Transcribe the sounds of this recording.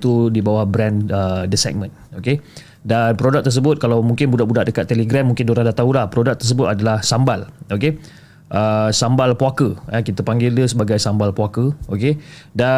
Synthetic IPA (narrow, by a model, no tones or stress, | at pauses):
t̪udibawahbɾɛ̃nədəsɛ̰k̚mə̃n | oke | danpɾodak̚t̪ərs̬əbʊt̪̚kalawmũŋkɪnbudaʔbudaʔdəkat̪ːeleɡɾɛmːuŋkɪndoɾaŋdat̪aulahpɾodak̚t̪ərs̬əbʊt̪adalahsambaloke | ʔəsambalpwakəəkit̪apaŋɡɪldəsəbaɡajsambalpwakəokeda